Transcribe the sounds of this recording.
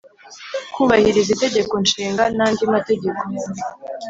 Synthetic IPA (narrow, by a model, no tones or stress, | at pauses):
kuβahiɾizite̞ɟe̞ko̞nʃiːŋɡanaːndimate̞ɟe̞ko̞